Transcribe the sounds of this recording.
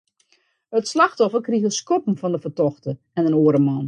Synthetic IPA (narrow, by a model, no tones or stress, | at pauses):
ətslɑxtɔfərkriəxəskɔpən̩fɔndəfərtɔxtə | ɛnənoəɾəmɔn